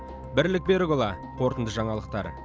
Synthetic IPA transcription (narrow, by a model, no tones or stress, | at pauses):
bɪɾlɪk̚be̞ɾɪɡolˠɑ | qʰo̞ɾt̪ənd̪əʒɑɴɑlˠəq̚t̪ɑ̰ɾ